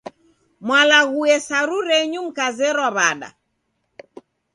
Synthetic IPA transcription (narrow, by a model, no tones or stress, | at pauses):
mwalaɣuɛsaɾuɾɛɲum̩kazɛɾwaβaɗa̰